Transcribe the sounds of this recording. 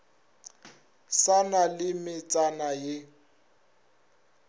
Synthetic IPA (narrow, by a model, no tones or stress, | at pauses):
sanalɪmɪt͡sʼanajɪ